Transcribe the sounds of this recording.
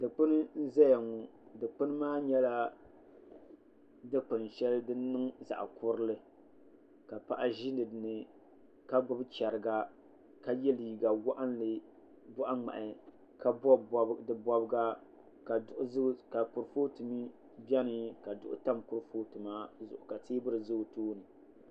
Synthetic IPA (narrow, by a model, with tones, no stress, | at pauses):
dɨ˨k͡pɨ˦nɨ˦n̩˦zɛ˦ja˨ŋu˨dɨ˨k͡pɨ˦n˦maː˦ɲɛ˦la˦ | dɨ˦k͡pɨ˨n˨ʃɛ˦ldɨ˦nɨ˦ŋza̰˨ʔkʊ˦ɾɨ˦lɨ˦ | ka˨pa̰˨ʔa˦ʒi˦nɨ˨dɨ˨nɨ˨ | ka˦ɡ͡bʊ˦bt͡ʃɛ˨ɾɨ˨ɡa˦ | ka˨jɛ˦li˨ɡa˨wa˦ʔa˦n˦lɨ˨ | bʊ˦ʔa˦ŋ͡ma̰˨ʔɪ˨ | ka˦bɔ˦bdɨ˦bɔ˦bɡa˦ | ka˨ʊ˨ʔka˨kʊ˨ɾɨ˨foː˦tɨ˨mi˦ | bʲɛ˦nɨ˦ka˨dʊ˦ʔʊ̰˦ta˦mkʊ˦ɾfo˦tu˨maː˦zʊ̰˨ʔʊ˨ka˨teː˦bɨ˦ɾɨ˨zʊ˦˨toː˦nɨ˨